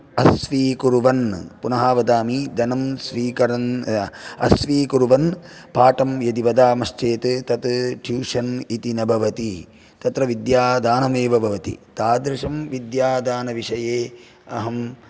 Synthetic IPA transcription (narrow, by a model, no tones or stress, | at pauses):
ɐsʋiːkuɾuʋɐnpunɐɦaːʋɐd̪aːmid̪ɐnɐmsʋiːkɐɾɐn | ɐ̰sʋiːkuɾuʋɐnpaːʈɐmjɐd̪iʋɐd̪aːmɐʃt͡ʃeːt̪t̪ɐt̪ʈʰjuːʂɐnit̪inɐbʱɐʋɐt̪i | t̪ɐt̪ɾɐʋid̪jaːd̪aːnɐmeːʋɐbʱɐʋɐt̪ḭt̪aːd̪ɾɪʂɐmʋid̪jaːd̪aːnɐʋiʂɐjeː | ɐɦɐm